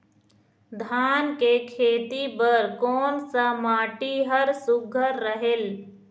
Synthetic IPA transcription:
d̪ʱaːnkekʰeːt̪ipəɾkɔːnsamaːʈiɦəɾsʊɡʱəɾːəɦel

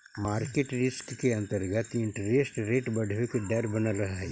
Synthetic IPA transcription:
maːɾkeːʈɾɪskːeɐ̃nt̪əɾɡət̪ɪ̃ɳʈɾeːsʈɾeːʈbɐɽ̤ʱʋekeɖɛɾbənaɾɐɦaɦɛ

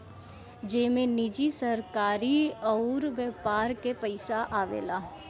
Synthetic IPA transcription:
d͡ʒeːmẽnɪd͡ʒisəɾkaːɾiɔɾʋəːpaːɾkepəɪsaʔaːʋḛːlaː

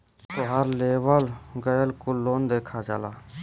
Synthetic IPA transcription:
t̪oːɦəɾleːʋəlɡəjəlkʊlːoːnd̪eːkʰaːd͡ʒa̰ːlaː

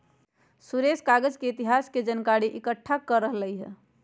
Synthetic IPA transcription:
suɾeskaɡəd͡ʒkeit̪iɦasked͡ʒənkaɾiʔikəʈʰːakəɾəɦləjɦɛ̰

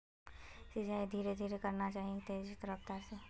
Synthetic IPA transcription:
sɪd͡ʒaːid̪ʱiːɾed̪ʱiːɾekɐɾnat͡ʃaːɦiet̪eːd͡ʒt̪əɾəpt̪ase

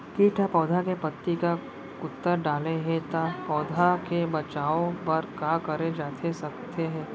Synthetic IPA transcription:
kiːʈʰapɔːd̪ʱakepɐt̪ːika | kʊt̪ːəɾɖaːleɦẽt̪apɔːd̪ʱakebɐt͡ʃaːõpɐɾkaːkɐɾed͡ʒaːt̪ʰesɐkt̪eɦɛ̃ː

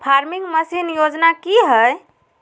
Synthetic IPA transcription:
pʰaɾmiŋɡməsinjod͡ʒnakiɦəj

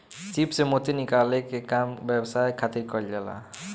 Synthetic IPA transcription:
sipsemot̪inikalekekambebsajkʰat̪iɾkɔld͡ʒɛla̰

